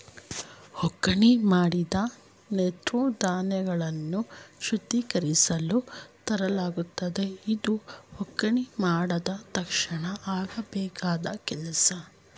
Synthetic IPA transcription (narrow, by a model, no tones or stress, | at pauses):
hɔkːɐɳimaːɽid̪ɐ | net̪ɾud̪aːnɛɡɐɭɐnːuʃud̪ːikɐɾisɐlut̪ɐɾɐlaːɡut̪ːɐd̪eid̪uhɔkːɐɳimaːɽɐd̪ɐt̪ɐkʂɐɳɐaːɡɐbɛːkaːd̪ɐkɛlɐsɐ